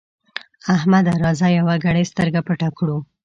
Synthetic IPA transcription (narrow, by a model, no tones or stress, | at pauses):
ahmad̪aɾɑzajawaɡaɽəjst̪əɾɡapəʈakɽu